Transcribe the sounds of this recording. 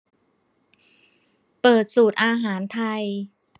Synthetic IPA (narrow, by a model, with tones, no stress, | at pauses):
pɤː˨˩t̪̚suː˨˩t̪̚ʔaː˧ɦaː˩˦nt̪ʰa˧j